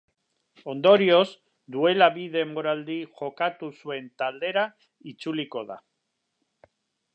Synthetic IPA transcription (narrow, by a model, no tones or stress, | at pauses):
o̞nd̪o̞ɾio̞z | d̪ue̞laβiðe̞mo̞ɾald̪iʝo̞kat̪usue̞nt̪ald̪e̞ɾa | it͡suliko̞ða̰